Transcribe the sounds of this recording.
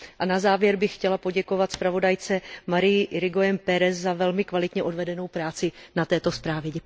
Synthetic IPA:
ʔanazaːvjɛɾbɪxːcɛlapo̞ɟɛko̞vat̪spɾavo̞dajt͡sɛmaɾɪjɪʔɪɾɪɡojɛmpɛɾɛszavɛlmɪkvalɪt̪ɲɛʔodvɛdɛno̞wpɾaːt͡sɪnat̪ɛːt̪o̞spɾaːvjɛɟɛ

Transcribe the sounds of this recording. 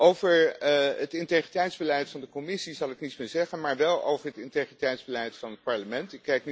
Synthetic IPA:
ʔowvəɹətɪnteχritɛjtzbəlɛjtfɑndəkomɪsizɑlˠɪknitsmɪːɹzɛχənmaːɹʋɛlˠo̰wvəɹɦətɪntejχritɛjtzbəlɛjtfɑnɦət̚pɑɹləmɛntɪkːɛjk̚n

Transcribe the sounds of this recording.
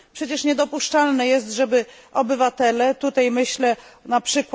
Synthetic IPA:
pʂɛt͡ɕɛʂɲɛd̪ɔpuʂt͡ʂalnɛjɛst̪ʐɛbɘ | ɔbɘvat̪ɛlɛt̪ut̪ajmɘɕlɛnapʂɘkw

